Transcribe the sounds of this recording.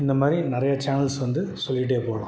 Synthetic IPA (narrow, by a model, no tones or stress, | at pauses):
ɪnd̪ɐmaːd̪ɾinɪɾɐjɐt͡ʃaːnɐlsʋɐnd̪ɯsɔlːɪʈ̬ːeːpoːɽɐ̰̃